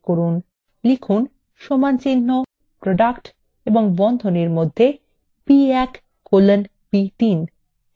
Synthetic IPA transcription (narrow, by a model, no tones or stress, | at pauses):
koɾun | likʰun | ʃomant͡ɕinːo | pɾoɖakʈ | eboŋbɔnd̪ʱoneɾmod̪ʱːe | piɛkː | olen | bit̪in